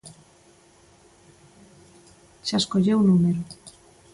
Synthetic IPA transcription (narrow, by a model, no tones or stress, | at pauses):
ʃaskoʎewnumeɾu